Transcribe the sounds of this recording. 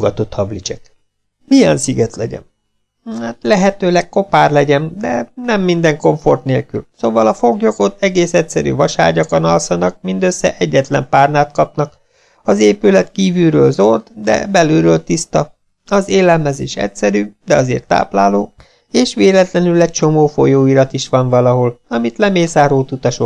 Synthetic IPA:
ɡɒt̪o̞t̪hɒblit͡ʃɛk | mijɛnsiɡɛt̪lɛɟɛ̰n | haːt̪lɛɦɛt̪øːlɛkko̞paːrlɛɟɛnd̪ɛnɛmːind̪ɛŋko̞ɱfo̞rt̪neːlkylsoːvɒlɒfo̞ɡjo̞kot̪ɛɡeːsɛtsɛɾy̰ːvɒʃa̰ːɟɒkɒnɒlsɒnɒk̚mind̪øsːɛ̰ʔɛɟːɛt̪lɛmpaːrnaːt̪kɒpnɒk | ɒzeːpylɛt̪kiːvyɾøːlzord̪d̪ɛ̰bɛlyɾøːlt̪ist̪ɒ | ɒzeːlɛlmɛziʃɛ̰csɛɾyːd̪ɛɒzḛːrt̪a̰ːplaːloː | eːʃʋeːlɛt̪lɛnylɛc̚t͡ʃo̞moːfo̞joːiɾɒt̪iʃʋɒnvɒlɒɦo̞lɒmit̪lɛmeːsaːɾoːt̪ut̪ɒʃo

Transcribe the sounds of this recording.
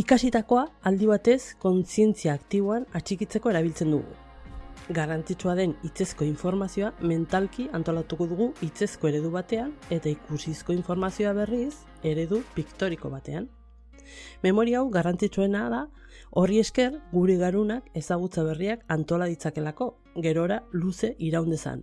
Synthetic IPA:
ikasit̪ako̞aːld̪iβat̪e̞sko̞nt͡sie̞nt͡siaːkt̪iβ̞o̞anat͡ʃikit͡se̞ko̞e̞ɾaβ̞ilt͡se̞nd̪uɣṵ | ɡarant͡sit͡suaðe̞nit͡se̞sko̞iɱfo̞ɾmasio̞ame̞nt̪alkiant̪o̞lat̪uko̞ðuɣuit͡se̞sko̞e̞ɾe̞ðuβat̪e̞ane̞t̪aikusisko̞iɱfo̞ɾmasioaβe̞ris | e̞ɾe̞ðupikt̪o̞ɾiko̞̰βat̪e̞an | me̞mo̞ɾiaawɣarant͡sit͡sue̞naða | o̞rie̞ske̞rɡuɾeɣaɾunake̞saɣ̞ut͡saβ̞e̞riakant̪o̞laðit͡sake̞lako̞ | ɣe̞ɾo̞ɾaluse̞ʔiɾawnd̪e̞sa̰n

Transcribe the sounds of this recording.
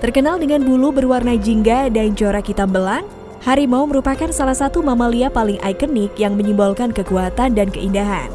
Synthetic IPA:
t̪ərkənaldəŋanbulubərwarnad͡ʒiŋɡadaɲt͡ʃoɾakit̪ambəlan | haɾimauməɾupakansalahsat̪umamaliapalɪŋʔa̰ikənɪkjaŋməɲimbalkankəkuat̪andankəindaɦa̰n

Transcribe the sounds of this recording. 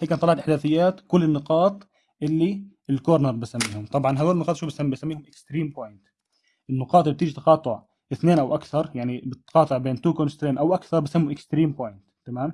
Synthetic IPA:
hiːkːant̪ˤɑlɑʕɑt̪ʔɪħd̪aːθɪjːaːt̪kʊlːɪnːɨqɑːt̪ˤ | ʔɪlːiɪlkoːɾnəɾˤbisamːiːhʊmt̪ˤɑbʕɑnɦad̪oːlɪnːɨqɑːt̪ʃuːbisamisamːiːhʊmʔɪkst̪ɾiːmpoːjɪnt̪ | ʔɪnːʊqɑːt̪ˤɪb̚t̪iːʒit̪ɑ̥qɑːt̪ˤʊʕ | ʔɪθneːnʔawʔakθɑɾˤjaʕnibɪt̪qɑːt̪ˤɨʕbeːnt̪uːkonst̪ɾiːnʔawʔakθɑɾˤbɪsamːʊʔɪkst̪ɾiːmpoːjɪnt̪kamaːm

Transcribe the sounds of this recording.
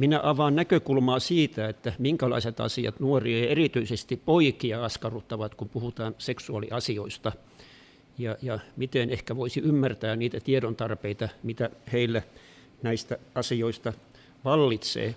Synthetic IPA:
minæʔɑʋɑːnnækøkulmɑːsiːt̪æet̪ːæmiŋkælɑ̰iset̪ɑ̰siɑ̰t̪nuoriɑerit̪yisest̪ippoikiɑɑskɑrut̪ːɑʋɑt̪kumpuhut̪ɑːnseksuɑlḭʔɑsioist̪ɑ | jɑjɑmit̪enehkæʋoisiymːært̪æːniːt̪æt̪ieɾont̪ɑrpeit̪ɑmit̪æheilːæ | næist̪æɑsioist̪ɑ | ʋɑlːit̪sḛː

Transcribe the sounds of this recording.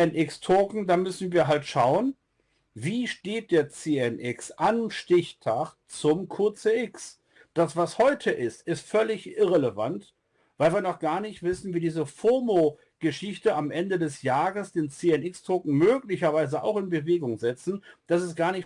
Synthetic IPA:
ɛnʔɪkstʰoːkŋ̩daːmʏsn̩viːɐɦaltʃaʊən | viːʃteːt̚d̥eːɐt͡seːɛnʔɪksʔanʃtɪçtʰaχ | t͡sʊmkʰʊɐt͡seʔɪks | d̥asv̥ashɔʏtʰəʔɪstɪstfœlɪçʔɪʁɛləva̰nt | v̥aɪlviːɐnɔχɡ̥aːɐnɪçtv̥ɪsn̩viːdiːzəfomo | ɡ̥əʃɪçtəamʔɛndədɛsjaːʁəsd̥eːnt͡seːɛnɪkstʰoːkŋ̩møːklɪçɐvaɪzəʔa̰ʊxɪnbəveːɡʊŋzɛt͡sn̩d̥asɛst̚ɡ̥aːɐnɪç

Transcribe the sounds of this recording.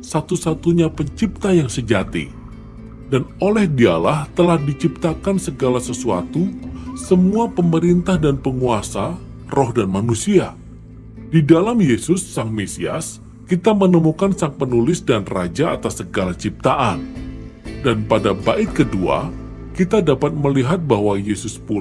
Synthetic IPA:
sat̪usat̪uɲapəɲt͡ʃip̚t̪ajaŋsəd͡ʒat̪ḭ | danolɛhdia̰laht̪əlahdit͡ʃip̚t̪akansəɡalasəsua̰t̪usəmuapəməɾint̪ahdanpəŋuasa | rɔhdanmanusia | didalamjesʊsːaŋmesia̰s | kit̪amənəmukansaŋpənulɪsdanrad͡ʒaa̰t̪asːəɡalat͡ʃip̚t̪aʔan | danpadabaʔɪt̪̚kədua̰ | kit̪adapat̪̚məliɦat̪̚baɦwajesʊspul

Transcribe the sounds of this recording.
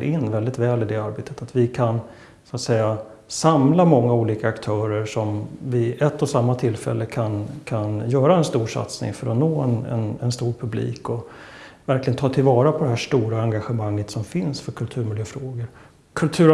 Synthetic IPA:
ɾɪnːvɛld̪ɪt̪vɛːlɪd̪ɛaɾbeːt̪ə̥t̪ʰat̪vɪkʰan | sat̪sɛjːa | samlamɔŋːauːliːkaːkt̪ʰœːɾəɾʂɔmvɪʔɛt̪ʰːɔsamːat̪ʰɪlfɛ̰lːəkʰankʰanjœːɾaɛnst̪uːʂa̰t̪snɪ̰ŋfœɾɔnoːɛnɛ̰nɛnst̪uːɾpʰɵblḭːkɔ | væɾklɪɡənt̪ʰɑːt̪ʰɪlvɑːɾapʰɔd̪ɛɦæːʂʈuːɾaaŋɡaɧəmaŋːət̪sɔmfɪnsfœɾkʰɵlt̪ʰʉ̟ːɾmɪljøːfɾoːɡəɾ | kʰɵlt̪ʰʉːɾ

